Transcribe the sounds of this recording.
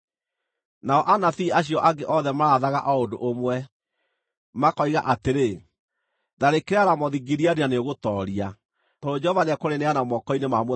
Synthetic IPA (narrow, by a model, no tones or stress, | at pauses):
naɔʔanaθiaɕ̬iɔʔaɡeʔɔðɛmaaðaɣaʔaodoʔomwɛ | makɔiɣaʔateɾe | ðaɾekeɾaɾamɔðiɡiɾiaɾianeoɣotɔɾia | toɾod͡ʒɛhɔvanɛkoɾeneanamɔkɔinemamw